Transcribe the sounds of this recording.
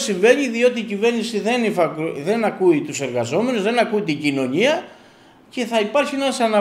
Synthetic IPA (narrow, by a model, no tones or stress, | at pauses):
siɱve̞ɲiðio̞t̪iːcive̞ɾnisiðe̞nifɐkðe̞nɐkuit̪use̞ɾɣɐzo̞me̞nuzðe̞nɐkuit̪iɲɟino̞ɲiɐ | ce̞θɐipɐɾçienɐsɐnɐ